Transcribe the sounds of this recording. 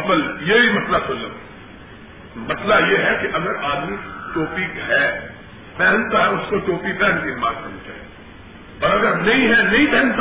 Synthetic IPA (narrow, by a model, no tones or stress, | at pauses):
bəljeɦimɐslasʊlːəm | mɐslajeːɦɛkeʔɐɡəɾaːd̪miʈoːpikɦɛ | pɛːɦnt̪aɦɛʊskoʈoːpipɛ̃ɦnkɪnmaːnkɐnt͡ʃa̰ːɛ | ɐɾɐɡəɾnɐɦĩɦɛnɐĩpɛɦnt̪